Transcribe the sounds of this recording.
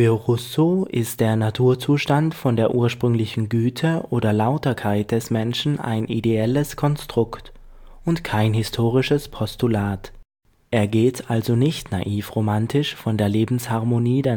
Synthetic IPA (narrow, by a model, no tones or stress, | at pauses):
fɪʁʊsoʔɪst̚d̥eːɐnatʰuːɐt͡suːʃtantfɔndeːɐʔuːɐʃpʁ̥ʏŋlɪçn̩ɡyːtʰəʔoːdɐlaʊtɐkʰaɪt̚d̥ɛsmɛnʃn̩a̰ɪnʔideɛləskʰɔnstʁ̥ʊktʔʊntkʰaɪnhɪstʰoːʁ̞ɪʃəspʰɔstulaːt | ʔeːɐɡeːtʰʔalzonɪçtna̰ʔiːfʁomantʰɪʃfɔndeːɐleːbm̩shaɐmoniːdeːɐ